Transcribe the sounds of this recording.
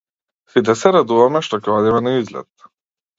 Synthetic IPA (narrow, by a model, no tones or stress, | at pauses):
sit̪̬ɛsɛɾad̪uvamɛʃt̪ɔkɔlɛmɛnɛizlɛ̰t̪